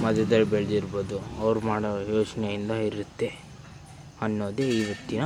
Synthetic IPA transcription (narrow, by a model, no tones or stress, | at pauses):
mɐd̪ɐd̪ɐɭːbeɭd̪iɾboːd̪uɐʋɐɾumaːɽɐjoːt͡ʃɐnɛjind̪ɐiɾut̪ːe̞ | ɐnːoːd̪eiːʋɐt̪ːinɐ